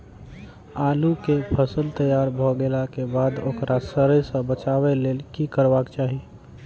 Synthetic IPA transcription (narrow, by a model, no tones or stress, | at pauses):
aːlukepʰəsəlt̪əjaːɾbʱoɡelakebaːd̪okɾʔasəɾəsə̃bət͡ʃaːweleːlkikəɾbaːkt͡ʃaːɦie